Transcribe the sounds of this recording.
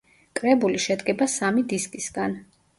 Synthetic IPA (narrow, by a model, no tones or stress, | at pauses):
kʼɾɛbuliʃɛd̪ɡɛbasamid̪iskʼisɡan